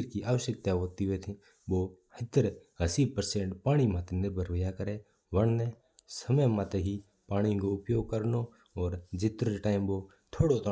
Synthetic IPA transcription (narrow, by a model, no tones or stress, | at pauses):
ɾkiʔaːʋəʃjək̚t̪aɦoːt̪iɦʊet̪ʰĩ | boː | hɪt̪əɾɦəsiːpəɾsẽɳʈpaːɽ̃imãt̪ʰenɪɾbʱəɾʋəjakəɾe | ʋəɳnẽ | səməjmãt̪eɦi | paːɽ̃ikoʊpjoːɡ̚kəɾno | ɔːɾd͡ʒɪt̪ɾoʈaːɪmʋo | t̪ʰoːɽot̪ʰo